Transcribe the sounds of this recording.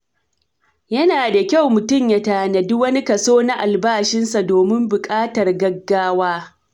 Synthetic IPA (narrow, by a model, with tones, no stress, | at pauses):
jɐ˦naː˨da˨kʲa˦˨wmʊ˨tʊ˦˨mja˦taː˨nɐ˨dʊ˦wɐ˦ni˦kɐ˨soː˦na˦ʔa˨lbaː˦˨ʃɪ˦nsa˨doː˨mɪ˦mbʊ˨kʼaː˦tɐ˨rɡɐ˦ɡːaː˦waː˦